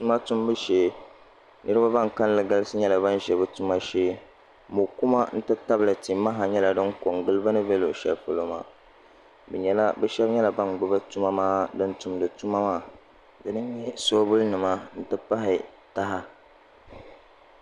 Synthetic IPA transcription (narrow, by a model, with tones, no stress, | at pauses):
tu˦ma˦tʊ˦mbɨ˦ʃeː˦ | nʔɨ˦ɾɨ˦ba˦ba˦ŋka˦n˦lɨ˨ɡa˦lɨ˦sɨ˦ɲɛ˦la˨ba˦n˦ʒɛ˨bɨ˦tu˦ma˦ʃeː˦ | mo˨ku˦ma˦n̩˦tɨ˦ta˦blɨ˨ti˨ma˦ɦa˨ɲɛ˦la˨dɨ˦ŋko˨ŋɡɨ˦lɨ˦ba˦nɨ˦bɛ˦lo˨ʃɛ̰˨lfɨ˨lo˦ma̰˨ | bɛ˨ɲɛ˨la˦bɛ˦ʃɛ˦bɲɛ˦la˨ba˦nɡ͡bɨ˦ba˦tu˦ma˦maː˦dɨ˦n˦tʊ˨mdɨ˨tu˦ma˦maː˦˨ | dɨ˨nɨ˦ɲ˦ɲɛ˦so˦bʊ˦lnɨ˨ma˦n̩˦tɨ˦pa˦ɦɪ˨ | ta˦ɦa˦